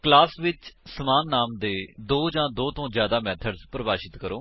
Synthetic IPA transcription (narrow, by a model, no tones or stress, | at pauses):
klaːsʋɪt͡ʃsəmaːnːaːmd̪eːd̪oːd͡ʒãːd̪oːt̪õːzjaːd̪aːmɛːt̪ʰəɖzpɾəbaːʃɪt̪kəɾoː